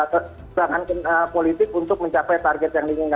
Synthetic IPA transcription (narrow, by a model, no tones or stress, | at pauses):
ə | aŋankənəpolit̪ɪk̚unt̪ʊk̚məɲt͡ʃapɛjt̪arɡɛt̪̚jaŋdiŋɪŋa